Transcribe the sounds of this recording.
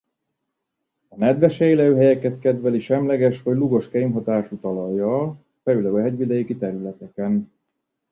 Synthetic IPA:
ɒnɛd̪vɛʃɛjlɛøɦɛjɛkɛt̪kɛd̪vɛliʃɛmlɛɡɛʃʋɒɟluɡo̞ʃkɛjmɦɒt̪aːʃut̪ɒlɒjːɒl | fɛyløwɛɦɛɟvid̪ɛjikit̪ɛɾylɛt̪ɛkɛn

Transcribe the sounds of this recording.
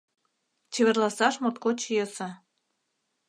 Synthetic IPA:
t͡ɕeβĕrlɑsɑʃmot̪̚kot͡ɕijesɑ

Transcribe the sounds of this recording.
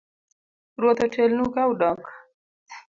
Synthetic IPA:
ɾot̪aʈʰelnukawɖɑk

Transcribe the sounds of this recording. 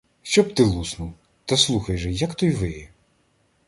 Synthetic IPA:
ʃt͡ʃɔb̚t̪ɪlˠusnuw | t̪ɐslˠuxɐjʒɛjɐkt̪ɔjʋɪjɛ

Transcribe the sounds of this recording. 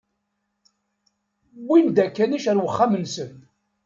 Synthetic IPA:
wind̪ækːæniʃæɾwəχːamənsən

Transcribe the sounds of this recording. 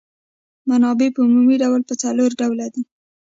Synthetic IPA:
manɑbepəumumiɖawlpət͡saloɾɖawlad̪i

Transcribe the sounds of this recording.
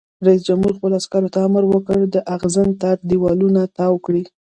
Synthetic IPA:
ɾais̬d͡ʒamhuɾxpəloaskaɾot̪aaməɾwəkəɽd̪əʔaɣzənt̪aɾd̪iwɑlunat̪ɑwkɽi

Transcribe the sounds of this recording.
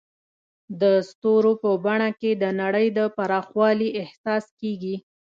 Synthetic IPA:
d̪əst̪oɾopəbaɳaked̪ənaɽəjd̪əpaɾɑxwɑliʔɪhsɑskeɡi

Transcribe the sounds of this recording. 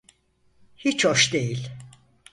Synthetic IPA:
hit͡ʃʰhoʃd̪ejilʲ

